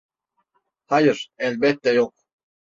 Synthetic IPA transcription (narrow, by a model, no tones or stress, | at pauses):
hajɨɾ̥ɛlbɛt̪ːɛjoq̚